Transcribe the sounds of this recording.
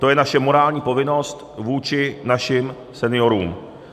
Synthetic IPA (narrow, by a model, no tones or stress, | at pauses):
t̪o̞jɛnaʃɛmo̞ɾaːlɲiːpo̞vɪno̞st̪vuːt͡ʃɪnaʃɪm | sɛnɪjoɾṵːm